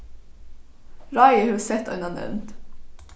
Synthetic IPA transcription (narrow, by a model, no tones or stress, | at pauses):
ɹɑɪəhʉːsɛt̪œ̰nɑnɛ̰ʋnt̪